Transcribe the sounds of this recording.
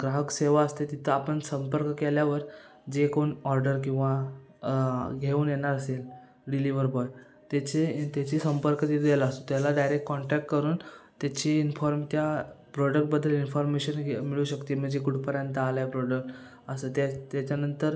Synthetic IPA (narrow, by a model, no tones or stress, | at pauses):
ɡɾaɦəkseʋaəst̪et̪it̪ʰəapəɳsəmpəɾkkeljaʋəɾ | d͡ʑekoɳɔɾɖəɾk̬ĩw̃ʋa | ɡʱeuːnjeɳaɾəsel | ɖiliʋəɾbɔɖ | t̪at͡ɕet̪jat͡ɕiːsəmpəɾkət̪it̪ʰd̪jelast̪ot̪jalaɖajɾek̚ʈkɔɳʈɛk̚ʈkəɾuːnt̪jat͡ɕiːinfɔɾmt̪japɾɔɖək̚ʈ̚bəd̪ʱːəlinfɔɾmeɕənmiɭuːɕəkt̪im̤əd͡ʑekuʈpəɾjant̪əaljapɾɔɖək̚ʈ | əsət̪at̪jat͡ɕanənt̪əɾ